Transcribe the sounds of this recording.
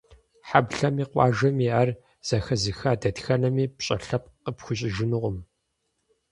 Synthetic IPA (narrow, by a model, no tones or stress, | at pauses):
ħabɬɐmiːqʷʼɑ̰ːʒɐmiʔɐr | z̥ɐxɐzɨxaːdɐtxɐnɐmiːpɕʼɐ̰ɬɐp̚qəpxʷʊɕ̬ʼɪʒɪnɨʁʷʊm